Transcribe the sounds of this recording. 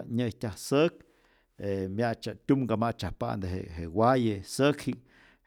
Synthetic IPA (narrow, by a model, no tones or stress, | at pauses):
ɲəjtʲahsək | emjat͡ʃat̪ʲumɡamat͡ʃahpa̰ʔnd̪eɦḛhewajesəkhiʔ